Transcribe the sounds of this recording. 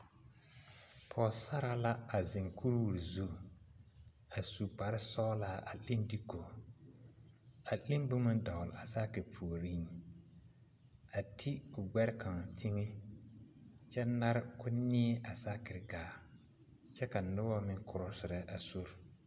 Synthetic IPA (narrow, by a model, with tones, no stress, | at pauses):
pʰɔː˨sa˦ɾa˨la˦a˨zɪ˨ŋkʰu˦ɾwu˨ɾzu˦ | a˨su˨pa˨ɾɪ˦sɔː˦la˦˨ʔa̰˨li˦ndi˦ko˨ | a˨li˦mbu˦mʊ˦nda˨ʊ˨la˨sa˦kɪ˨pʰuː˨ɾi˦n˨ | a˨tʰi˦ʊ˨ɡɛ˦ɾɪ˦ka˨ŋa˨tʰi˦ŋe˦ | t͡ʃɛ˦na˦ɾkʊ˦nɪ˦ɛ˦ʔa˨sa˦kɪ˨ɾɡaː˨ | t͡ʃɛ˦ka˨nʊ˦wɔ˦mɪ˦ŋkʰʊ˨ɾʊ˨sɪ˨ɾɛ˦ʔa˨su˦ɾ